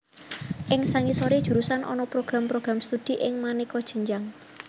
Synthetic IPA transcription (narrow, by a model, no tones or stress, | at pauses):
ʔɪŋsaŋisoɾid̥ʒ̥uɾusanʔɔ̰nɔpɾoɡ̥ɾampɾoɡ̥ɾamst̪ud̪̥i̤ʔɪŋmanikɔd̥ʒ̥ə̤ɲd͡ʒaŋ